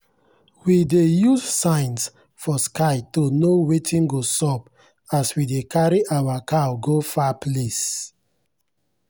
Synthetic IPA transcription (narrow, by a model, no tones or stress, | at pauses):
widejuzsãɪ̃ns | fɔskaɪtonowetʰĩnɡosɔp | aswidekaɹiʔawakaɡofaples